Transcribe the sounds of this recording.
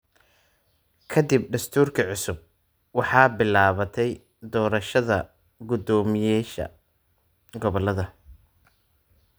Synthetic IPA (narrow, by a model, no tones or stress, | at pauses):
kʰɐd̪ib̚ɖɐst̪ʰuːrkʰɐʕʊsʊb̚ | wɑħɑːbɪlaːβɐt̪ʰɛj | d̪ɔːɾɐʃɐðɐ̰ | ɡʊd̪ɔːmɪjɛːʃɐ̰ | ɡɔβɔlɐðɐ